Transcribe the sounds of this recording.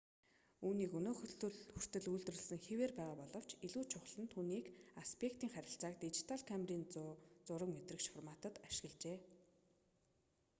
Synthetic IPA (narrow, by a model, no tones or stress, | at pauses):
uːniːkɵnoːxxɵr̥t̪ɘ̆ɮujɮt̪̆rə̆ɮsɘ̆ŋxeweːrpæːʁaːpɔɮɞ̆w̥t͡ɕiɮuːt͡ɕʰʊχɮə̆nt̪ʰuːniːkaspʰekt̪iːŋχæɾʲɪ̆ɬt͡saːkt̪it͡ɕi̥t̪ʰaɮkʰamriːnt͡sʊːt͡sʊɾə̆kmet̪rɘ̆kʃfɔrmaːt̪ə̆t̪aʃɪ̥̆ɣə̆ɮt͡ɕeː